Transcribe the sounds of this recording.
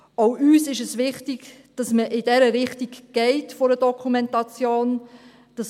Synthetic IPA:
oʊyːsɪʃəsʋɪχtiɡ | d̥ɑsməʔɪdɛɾəɾɪχtiɡ̥ɡ̥ɛɪtfoɾədɔkʰumɛntɑt͡sjoːn | d̥ɑs

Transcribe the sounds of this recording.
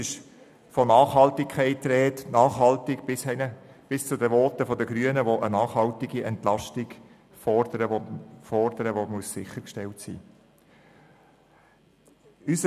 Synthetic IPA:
ɪʃ | fɔnɑːχɦɑltɪkʰɛɪtːɾɛːtnɑːχɦɑltɪɡ̥shɛnəb̥ɪst͡sʊdəʋoːtəfɔdəɡɾyənəʋoʔənɑːχhɑltɪɡiʔɛntlɑʃtɪɡ | fɔdəɾəofɔɾdəɾəʋomuəssɪχəɾkʃtɛltsḭː | ysə

